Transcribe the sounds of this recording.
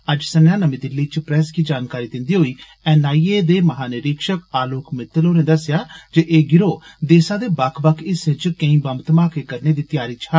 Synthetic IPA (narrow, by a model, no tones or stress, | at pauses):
əd͡ʒsənjãːnəmĩːd̪ɪlːiːt͡ʃpɾɛːskiːd͡ʒaːnkaːɾiːd̪ɪ̃nd̪iːɦoːiː | ɛːnaːieːd̪eːməɦaːnɪɾɪkʃəkaːloːkmɪt̪ːəloːneːd̪əsjaːd͡ʒeʔeːɡɪɾoːd̪eːsãːd̪eːbakʰbəkʰɪsɪt͡ʃkə̃ĩːbəmt̪mãːkeːkəɾneːd̪iːt̪ɪjaːɾiːt͡ʃʰa